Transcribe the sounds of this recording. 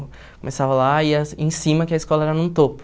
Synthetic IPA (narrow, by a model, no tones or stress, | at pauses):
komesavɐlaiɐẽj̃sĩmɐkɪɐiskɔlɐɛɾɐnũt̪opʊ̥